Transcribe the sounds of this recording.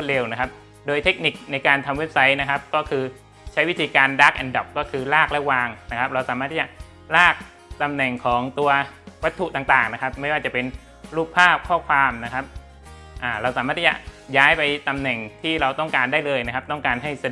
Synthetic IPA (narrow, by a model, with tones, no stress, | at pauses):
t̪̚ɾe˧wna˦˥kʰa˦˥p̚ | doː˧jt̪ʰe˦˥k̚ni˨˩k̚na˧jkaː˧nt̪ʰa˧mwe˦˥p̚sa˦˥jna˦˥kʰa˦˥p̚kɔː˥˩kʰɯː˧ | t͡ɕʰa˦˥jwi˦˥t̪ʰiː˧kaː˧ndaː˦˥˩k̚ʔɛ˧ndɔ˨˩kːɔː˥˩kʰɯː˧laː˥˩k̚lɛ˦˥waː˧ŋna˦˥kʰa˦˥p̚ɾa˧wsaː˨˦maː˥˩t̪ʰːiː˥t͡ɕa˨˩ | laː˥˩k̚ | t̪a˧mnɛ˨˩ŋkʰɔː˩˦ŋt̪u˧ɐwa˦˥t̪ʰːu˨˩t̪aː˨˩ŋt̪aː˨˩ŋna˦˥kʰa˦˥p̚ma˥˩jwaː˥˩t͡ɕa˨˩pe˧n | ɾuː˥˩pʰːaː˥˩p̚kʰɔː˥˩kʰwaː˧mna˦˥kʰa˦˥p̚ | ʔaː˨˩ɾa˧wsaː˩˦maː˥˩t̪ʰːiː˥˩t͡ɕa˨˩jaː˦˥jpa˧jt̪a˧mnɛ˨˩ŋt̪ʰiː˥˩ɾa˧wt̪ɔ˥˩ŋkaː˧ndaː˥˩jlɤː˧jna˦˥kʰa˦˥p̪̚ɔ˥˩ŋkaː˧nɦa˥˩jsa˧d